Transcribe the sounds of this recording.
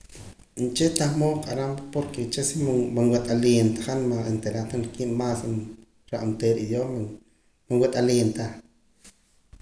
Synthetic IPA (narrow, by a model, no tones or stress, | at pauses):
nt͡ʃet̪ahmoqʼaɾampapoɾket͡ʃesimmaŋwet̪ʼaljent̪ḁχanmaent̪eɾat̪anlkiʔmasn | ɾaʔnt̪eɾid̪joma | maŋwet̪ʼalent̪a